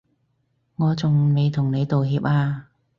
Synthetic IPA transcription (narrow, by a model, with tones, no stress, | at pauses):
ŋɔː˨˧t͡sʊ˨ŋme˨˧jt̪ʰʊ˨˩ŋne˨˧jt̪o˨whiː˨˧p̚aː˧